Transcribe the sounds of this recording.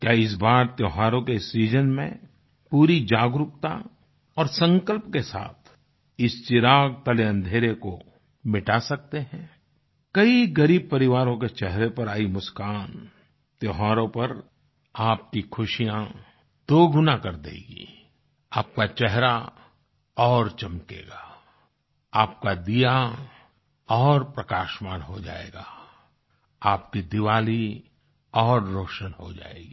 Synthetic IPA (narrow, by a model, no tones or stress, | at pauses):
kjaːɪs̬baːɾt̪joːɦaːɾõkeɪsɾiːd͡ʒənmḛ̃ | puːɾid͡ʒaːɡɾʊpt̪a̰ | ɔːɾsə̃ŋkəlpkesa̰ːt̪ʰ | ɪst͡ʃɪɾaːɡ̚t̪ɐleɐ̃nd̪ʱeːɾeko | mɪʈasɐk̚t̪eɦɛ̃ː | kɐiɡɐɾiːb̚pɐɾɪʋaːɾõket͡ʃɛɦɾepɐɾaːimʊskaːn | t̪joːɦaːɾõpɐɾ | aːp̚kikʰʊʃijã | d̪̥oːɡʱʊnakɐɾd̪ḛːɡḭː | aːp̚kat͡ʃɛɦɾa | ɔːɾt͡ʃɐmkḛːɡaː | aːp̚kad̪ija | ɔːɾpɾɐkaːʃmaːnɦod͡ʒa̰ːḛːɡaː | aːpkid̪ɪʋaːli | ɔːɾːoːʃənɦod͡ʒa̰ːḛːɡi